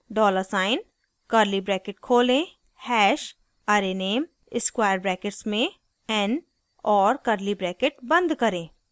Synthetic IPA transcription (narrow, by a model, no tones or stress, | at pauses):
ɖɔːləɾsaːɪn | kəɾlibɾɛːkɪʈkʰoːlẽ | hɛːʃ | aɾeneːm | ɪskwaːɪjəɾbɾɛːkɪʈsmẽ | ɛn | ɔːɾkəɾlibɾɛːkeʈbɐ̃nd̪kɐɾẽː